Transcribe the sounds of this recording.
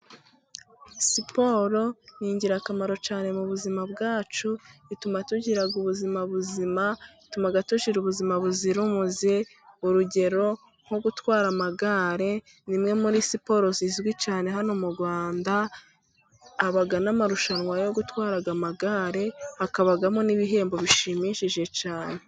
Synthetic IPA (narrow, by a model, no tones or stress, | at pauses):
sipo̞ɾo̞jiːɲɟiɾakamaɾo̞t͡ʃaːne̞muβuzimabɡaːt͡ʃuitumatuɟiɾaɡuβuzimaβuzimaitumaɡatuʃiɾuβuzimaβuziɾumuze | uɾuɟe̞ɾo̞ | ŋ̥ho̞ɡutwaːɾamaɡaːɾe̞ | nimŋe̞muɾiːsipo̞ɾo̞zizwit͡ʃaːne̞ɦano̞muɾɡwaːnda | βaɡanamaɾuʃanwajo̞ɡutwaːɾaɡamaɡaːɾe̞hakaβaɡamoniβiɦe̞ːmbo̞βiʃimiʃiʒe̞caːne̞